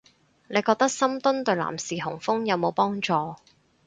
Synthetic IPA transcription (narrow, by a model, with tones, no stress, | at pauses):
ne˨˧jkɔː˧k̚t̪ɐ˥k̚sɐ˥mt̪ʊ˥nt̪ɵ˨ɥla̰ː˨˩msiː˨˩ɦʊ˨˩ŋfʊ˥ŋjɐ˨˧wmo˨˧wpɔː˥ŋt͡sɔː˨˧